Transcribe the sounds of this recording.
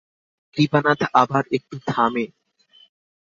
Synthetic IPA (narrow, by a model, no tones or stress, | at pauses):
kɾipanat̪ʰabaɾek̚ʈud̪ʱame